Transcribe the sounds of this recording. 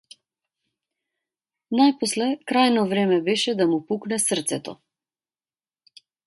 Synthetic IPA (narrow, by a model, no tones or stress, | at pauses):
najpɔslɛkɾajnɔvɾɛmɛbɛʃɛd̪amupuknɛsərt̪sɛt̪ɔ̰